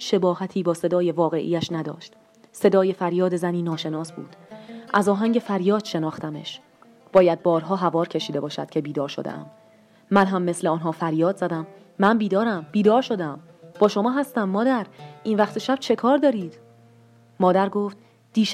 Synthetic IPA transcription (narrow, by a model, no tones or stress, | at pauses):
ʃe̞bɒːhæt̪ʰiːbɒːse̞d̪ɒːje̞vɒːɣe̞̰ʔḭjæʃnæd̪ɒ̰ːʃt̪ | se̞d̪ɒːje̞fæɾjɒːd̪ezæniːnɒːʃe̞nɒːsbṵːd̪̥ʔæzɒːɦæŋɟe̞fæɾjɒːd̪̥ʃe̞nɒːχt̪æmḛʃ | b̥ɒːjæd̪̚bɒːɾɦɒːɦævɒːɾcʰe̞ʃiːd̪e̞bɒːʃæ̰d̪̥kcʰe̞biːd̪ɒːɾʃod̪ḛʔæ̰mː | ænɦæmːe̞sleɒːnɦɒːfæɾjɒːd̪zæd̪æmː | ænbiːd̪ɒːɾæmb̥iːd̪ɒːɾʃo̞d̪æm | b̥ɒːʃo̞mɒːɦæst̪æmːɒːd̪æɾʔiːnvæxt̪ʰeʃæb̥t͡ʃʰe̞kʰɒːɾd̪ɒːɾiːd̪̥ | mɒːd̪æɾɡoːft̪̚ | d̪̥iːʃ